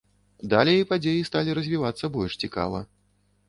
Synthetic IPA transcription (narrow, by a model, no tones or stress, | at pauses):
d̪alʲejipad͡zʲejist̪alʲiɾɐzʲvʲivat̪sːɐbɔlʲʂt͡sʲika̰vɐ̰